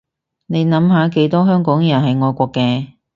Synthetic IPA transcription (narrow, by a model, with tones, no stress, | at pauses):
ne˨˧jnɐ˨˥mɦaː˨˥ke˨˥jt̪ɔː˥ɦœː˥ŋkɔː˨˥ŋjɐ˨˩nɦɐ˨jŋɔː˨˧jkʷɔː˧kːɛː˧